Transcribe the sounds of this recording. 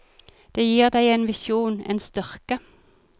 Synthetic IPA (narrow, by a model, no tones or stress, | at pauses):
d̪̥eːjiːʁd̪æɪeːnʋɪsjuːnḛːnst̪ʏʁkə